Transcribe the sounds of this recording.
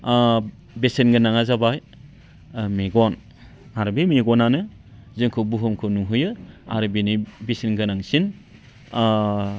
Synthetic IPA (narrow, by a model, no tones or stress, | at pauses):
besenɡɯnaŋazabaj | meɡɔn | aɾbemeɡɔnanɯ | zɯŋkʰɯbuɦɯmkʰɯnuɦɯjɯa̰ɾɯbenibesenɡɯnaŋsin